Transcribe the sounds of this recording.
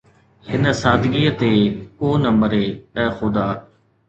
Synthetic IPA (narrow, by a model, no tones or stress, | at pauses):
hɪnəsaːd̪ɡiːət̪eːkoːnəməɾeːɛ̃ːxʊd̪aː